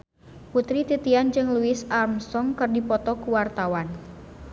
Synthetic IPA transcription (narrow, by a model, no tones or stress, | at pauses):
put̪ɾit̪it̪iand͡ʒɨŋluɪsarmsɔŋkɨrdipɔt̪ɔkuwart̪awan